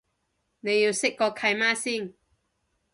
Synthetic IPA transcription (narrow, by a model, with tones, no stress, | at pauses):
ne˨˧ji˧wsɪ˥k̚kːɔː˧kʰa˧jmaː˥si˥˨ŋ